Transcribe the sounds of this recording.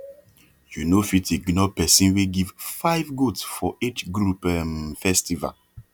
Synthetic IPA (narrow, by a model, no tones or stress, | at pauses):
junofiteɡnɔpɛsĩnweɡivfaɪvɡotsfɔet͡ʃɡɾupɛmfɛstiva̰l